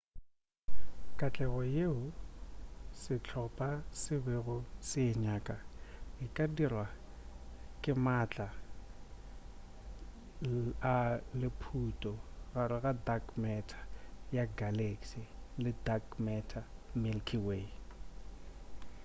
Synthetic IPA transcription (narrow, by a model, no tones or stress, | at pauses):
kʼat͡ɬʼɛɣɔjeʊ | sɪt͡ɬʰɔpʼasɪbeɣʊsɪɲakʼaɪkʼadirwa | kʼɪmat͡ɬʼa | alɪpʰutʼɔɣaɾɪɣadakmɛtʰḁjaɡaleksilɪdakmɛtʰamɪlkʰiwe